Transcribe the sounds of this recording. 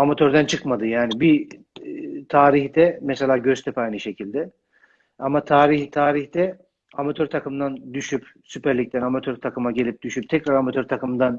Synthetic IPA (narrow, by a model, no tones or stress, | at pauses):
amat̪ʰøɾd̪ænt͡ʃʰɯkmad̪ɯjaːnibi | t̪ʰaːɾiçd̪ɛmɛselʲaːɟøst̪ʰɛpajnɯʃe̞cilʲd̪ɛ | amat̪ʰaːɾiçt̪ʰaːɾiçd̪ɛ | amat̪ʰøɾt̪ʰakɯmd̪and̪yʃyp | sypæɾlʲic̚t̪ʰænamat̪ʰøɾt̪ʰakɯmaɟelʲip̚d̪̥yʃyp̚t̪ʰɛcɾaɾamat̪ʰø̞ɾt̪ʰakɯmd̪an